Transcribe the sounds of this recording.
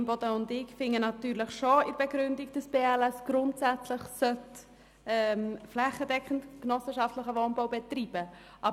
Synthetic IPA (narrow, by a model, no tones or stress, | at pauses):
mbɔd̥əʊndɪkfɪŋːənɑt̪yːɾləχʃoɪɾb̥ɛɡɾʏndiɡ̚d̥əsb̥eːɛlɛsɡ̥ɾʊntsæt͡sləχsœt | ɛmflæχːədɛkχəntknɔsəʃɑftləχəʋonbowbɛt̪ɾiːb̥ə | ʔɑ